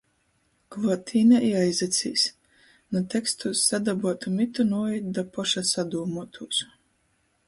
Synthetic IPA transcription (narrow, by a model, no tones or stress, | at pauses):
klˠuɔt̪ʲʰiːnaʔiajzɛt̪sʲḭːs | nut̪ɛkst̪usːad̪abuɔt̪umit̪unuɔid̪d̪apɔʃasad̪uːmuɔt̪ʰuːs